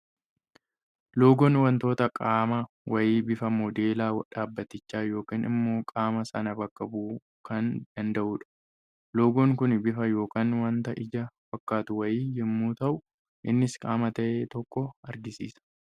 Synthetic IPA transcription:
lo̞ːɡɔnwɐnt̪o̞ːt̪ɐkʼaːmɐ | wɐjiːbɪfɐmɔd̪e̞ːlaːwɐᶑaːbːɐt̪ːɪt͡ʃːaːjo̞ːkiːnɪ̰mːo̞ːkʼaːmɐsɐnɐbɐkːɐbuː | kɐnd̪̥ɐnd̪ɐʔuːᶑɐ̥ | lo̞ːɡɔŋkʊnbɪfɐjo̞ːkaːnwɐnt̪ɐʔɪd͡ʒɐfɐkːaːt̪ʊwɐjiːjɪmːuːt̪ɐʔʊ | ʔɪnːɪskʼaːmɐt̪ɐʔeːt̪ɔkːɔɐɾɡɪsḭːsɐ̥

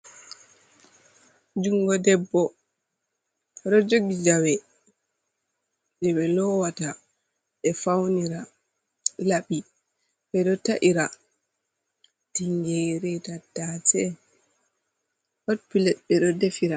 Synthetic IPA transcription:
d͡ʒuŋɡɔdɛbːɔ | ɗɔd͡ʒoɡid͡ʒawɛ | d͡ʒɛɓɛlɔwata | ɛfawniɾa | laɓi | ɓɛɗɔtaʔiɾa | tiŋɡɛɾɛtadatɛ | hot̚pilɛt̚ɓɛɗɔdefiɾa

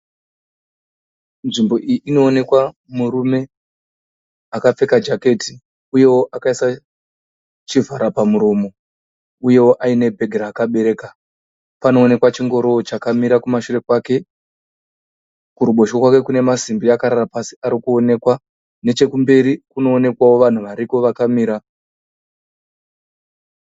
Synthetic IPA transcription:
nʐimbo̞ʔijiʔino̞ːne̞kwa | muɾume̞ | akap͡fe̞kad͡ʒake̞ti | uje̞woʔakaisa | t͡ʃivʱaɾapamuɾoːmo̞ | uje̞woʔaine̞bʱe̞ɡʱeɾaːkaɓe̞ɾe̞ːka | pano̞ːne̞kwat͡ʃiŋɡo̞ɾo̞ːt͡ʃakamiɾakumaʃure̞kwake̞ | kuɾuɓo̞ʃokwake̞kune̞masimbiakaɾarapasiaɾikuo̞ne̞kwa | ne̞t͡ʃe̞kumbe̞ɾikuno̞ːne̞kwawo̞ʋan̤uʋaɾiko̞ʋakamiːɾa

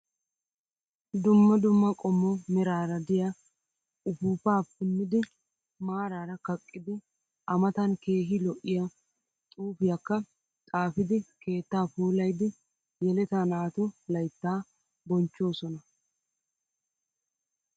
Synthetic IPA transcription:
d̪ʊmːɐd̪ʊmːɐkʼɔmːɔmɛɾaːɾɐd̪ɪja | ʊpuːpaːpːɪnːɪd̪ɪ | maːɾaːɾɐkɐkʼːɪd̪ɪ | ʔɐmɐt̪ɐnke̞ːɦɪlɔʔɪja | t̪ʼuːfɪjakːɐ | t̪ʼaːfɪd̪ɪke̞ːt̪ːaːpuːlɐjd̪ɪ | jɛlɛt̪aːnaːt̪ʊlɐjt̪ːaː | bɔnt͡ʃːo̞ːsɔnɐ

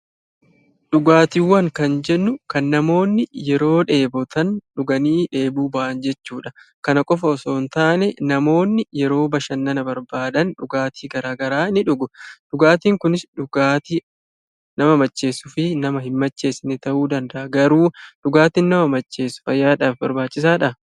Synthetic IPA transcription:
ɗʊɡaːt̪iwːɐŋkɐnd͡ʒɛnːʊkɐnːɐmo̞ːnːɪjɛɾo̞ːᶑe̞ːbɔt̪ɐnᶑʊɡɐniːᶑe̞ːbuːbɐʔɐnd͡ʒɛt͡ʃːuːᶑɐkɐnɐkʼɔfɐɔso̞ːnt̪aːnɛnɐmo̞ːnːɪjɛɾo̞ːbɐʃɐnːɐnɐbɐɾbaːd̪ɐnᶑʊɡaːt̪ʰiːɡɐɾaːɡɐɾaːnɪᶑʊɡʊᶑʊɡaːt̪iːŋkʊnɪsʊɡaːt̪i | nɐmɐmɐt͡ʃːe̞ːsʊfɪnɐmɐhɪmmɐt͡ʃːe̞ːsɪnɪt̪ɐʔuːd̪ɐnd̪ɐʔɐɡɐɾuːᶑʊɡaːt̪iːnːɐmɐmɐt͡ʃːe̞ːsʊ̥fɐjːaːᶑaːfbɐɾbaːt͡ʃʼːɪsaːᶑɐ

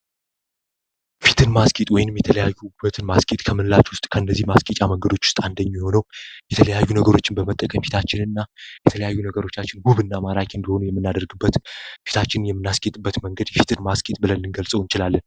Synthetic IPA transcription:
fit̪ʰɨnmaskʼit̪ʼwɔjɪnɨmjɛt̪ʰələjajːubət̪ʰɨnmaskʼit̪ʼkʰəmɨnlat͡ʃwʊst̪ʼkʰəɨnːəzːihmaskʼit͡ʃʼaməŋɡəd̪o̞t͡ʃːwʊ̥st̪ʼand̪əɲːijho̞nəwjɛt̪ʰələjajːunəɡəɾo̞t͡ʃːɪnbəmət̪ʼːəkʼəmfi̥t̪ʰat͡ʃːɪnɨnːajɛt̪ʰələjajːunəɡəɾo̞t͡ʃːat͡ʃːɪnɡuβɨnːamaɾakɨnd̪iho̞nujɛmːɨnːad̪əɾɡɨbːət̪fi̥t̪ʰat͡ʃːɪnɨnjɛmːɨnːaskʼet̪ʼɨbːət̪məŋɡəd̪jɛfit̪ʰɨnmaskʼit̪ʼbɨlənːɨnɡəlsʼəwɨnt͡ʃɪlalːən

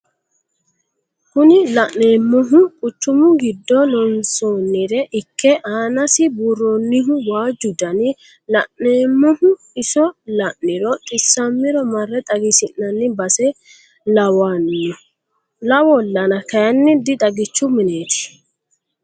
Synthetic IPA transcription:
kʊnɪlɐʔeːmːɔɦʊkʼʊt͡ʃːʊmʊɡɪd̪ːɔnɔnsoːnːɪɾɛʔɪkʰːɛʔaːnɐsɪburonːɪɦʊwaːd͡ʒːʊd̪ɐnɪ | lɐʔneːmːɔhʊ | ɪsɔlɐʔːɪɾɔt̪ʼɪsːɐmːɪɾɔmɐrːɛt̪ʼɐɡɪsɪnːɐnːɪbɐsɛ | lɐwanːɔ | lɐwɔlːɐnɐkɐjɐnːɪd̪ɪt̪ʼɐɡɪt͡ʃːʊmɪneːt̪ɪ̥

